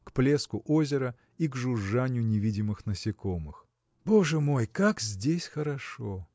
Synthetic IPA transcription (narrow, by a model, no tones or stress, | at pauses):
kplʲe̞skʊʔozʲɪɾə | iɡʐʊʐːanʲɪjʊnʲɪvʲidʲɪmɨxnəsʲɪkomɨx | bo̞ʐɨmo̞jkakzʲdʲesʲxəɾɐʂo